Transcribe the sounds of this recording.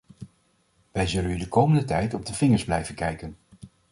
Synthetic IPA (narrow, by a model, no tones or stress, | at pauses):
ʋɛjzɵlənydəkowməndətɛjtɔb̚dəvɪŋəɹzblɛjvənkɛjkən